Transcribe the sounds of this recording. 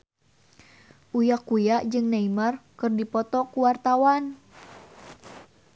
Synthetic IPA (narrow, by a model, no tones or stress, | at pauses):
ʔujakujaʔd͡ʒɨŋnaimarkɨrdipɔt̪ɔkuwart̪awan